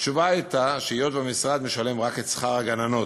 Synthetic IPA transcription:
t͡ʃuvaijt̪aʃeijot̪bemisʁad̪me̞ʃale̞mʁaket̪sχaʁaɡanano̞t

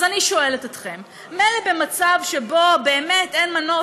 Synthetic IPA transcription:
zaniʃoe̞letatχe̞mː | elebe̞mat͡savʃebo̞be̞ːmetenmano

